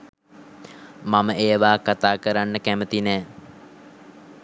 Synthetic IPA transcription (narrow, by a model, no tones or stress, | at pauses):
maməeːʋaːkat̪aːkəɾanːəkæmət̪inɛː